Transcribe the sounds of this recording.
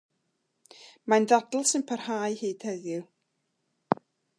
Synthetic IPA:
mandadl̩ˠsɨnpʰar̥haːɨhɨːd̥hɛðjʊ

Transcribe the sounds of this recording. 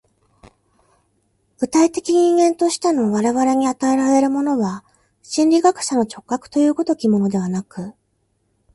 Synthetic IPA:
b̥ɯ̟t̪ait̪e̞kʲiɲ̟ĩŋɡẽ̞nt̪o̞ɕi̥t̪eno̞βaɾe̞βaɾe̞ɲ̟iat̪ae̞ɾaɾe̞ɾɯ̟mo̞no̞βa | ɕĩnʲɾʲiɡakɯ̟̥ɕano̞t͡ɕo̞kːakɯ̥t̪o̞jɯ̟ːko̞t̪o̞kʲimo̞no̞d̪e̞β̞anakɯ̟

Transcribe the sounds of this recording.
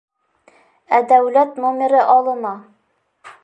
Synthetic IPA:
æd̪æwlæt̪nomʲɪɾɘʔɑlˠɤ̆mɑ

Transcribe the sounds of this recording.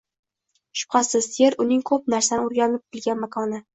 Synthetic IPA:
ʃʊ̥p̚qʰɑsɪzjeɾʊnɪŋkʰɵp̚naɾsanɪʊɾɡʲanɪp̚t̪ʰɪlˠɡʲanmakʰɒnɪ

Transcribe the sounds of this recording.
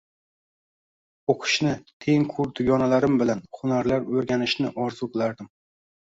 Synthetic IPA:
oqʰɨ̥ʃnɪt̪ʰe̞ŋkʰʊɾd̪ʊɡʲɒnalaɾɪmbɪlanχʊnaɾlaɾɵɾɡʲanɪʃnɪʔɒɾzʊqʰɨlaɾd̪ɪm

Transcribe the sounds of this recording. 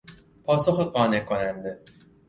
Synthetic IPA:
pʰɒːsoxeqɒːnekʰːonænd̪e

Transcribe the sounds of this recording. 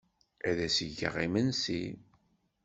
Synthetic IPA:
æðæsəʝə̰ʁimənsi

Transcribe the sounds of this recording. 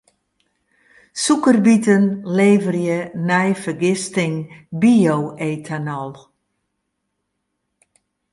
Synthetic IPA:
sukərbitənleːvərjənɛjfərɡɪstɪŋbioweːtʰanɔlˠ

